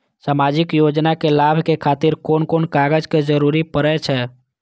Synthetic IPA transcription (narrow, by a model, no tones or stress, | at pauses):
samad͡ʒikjod͡ʒnakelabʱkekʰat̪iɾkonkonkaɡəd͡ʒked͡ʒəɾuɾipəɾɛt͡ʃʰɛ